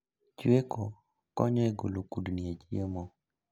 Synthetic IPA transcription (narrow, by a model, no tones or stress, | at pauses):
t͡ʃweko | kɔɲɔɛɡolokudnied͡ʒiəmo